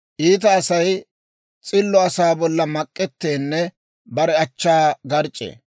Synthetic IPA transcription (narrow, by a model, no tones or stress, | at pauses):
ʔiːt̪̬ɐːsɐj | t͡sʼɪlːɔɐsaːbɔlːɐmɐkʼːɛt̪ːeːnːɛ | bɐɾɛɐt͡ʃːaːɡɐɾt͡ʃʼːḛː